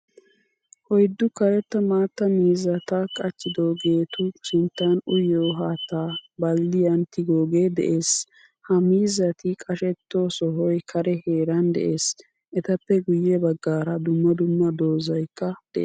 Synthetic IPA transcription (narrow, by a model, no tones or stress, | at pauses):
hɔjd̪ːʊkɐɾɛt̪ːɐmaːt̪ːɐmiːzɐt̪ɐkʼɐt͡ʃːɪd̪oːɡe̞ːt̪ʊsʊnt̪ːɐnʊjːoːɦaːt̪ːaːbɐlːɪjɐnt̪ɪɡoːɡeːd̪ɛ̰ʔeːs | hɐmiːzɐt̪ɪkʼɐʃɛt̪ːosɔɦɔjkʰɐɾɛhe̞ːɾɐnd̪ɛ̰ʔeːs | ʔɛt̪ɐpːɛɡʊjːɛbɐɡːaːɾɐd̪ʊmːɐd̪ʊmːɐd̪o̞ːzɐjkːɐd̪̥ɛʔḛː